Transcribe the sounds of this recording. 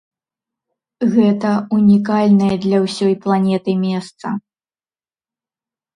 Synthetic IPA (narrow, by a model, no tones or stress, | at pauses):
ɣɛt̪ɐunʲikalʲnɐjɐd̪lʲɐwsʲɔjplˠanʲɛt̪ɨmʲɛst̪sɐ̰